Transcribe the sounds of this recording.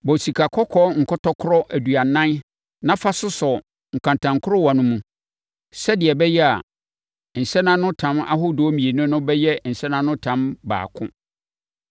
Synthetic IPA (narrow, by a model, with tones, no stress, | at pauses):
bɔ˨si˨kʰa˨kʰɔ˦kʰɔ˦ŋ̩˨kʰɔ˦tʰɔ˦kʰʊ˦ɾɔ˦ʔæ˨du˨a˨nã˦n | nã˦fa˦sʊ˦sʊ˨ | ŋ̩˨kʰã˨ntʰã˨ŋkʰʊ˦ɾɔ˦wɔ˨nʊ̃˦mũ˨ | sɛ˦dɪ˨ɛ˨bɛ˦jɛ˦a˨ | n̩˨sɛ˦nã˦nʊ̃˦tʰã˨˦ma̰˦ɦʊ˦do˨˦mĩ˨e˨nʊ̃˦nʊ̃˦bɛ˦jɛ˦n̩˨sɛ˦nã˦nʊ̃˦tʰã˨˦mba̰ː˨kʰʊ̰̃˦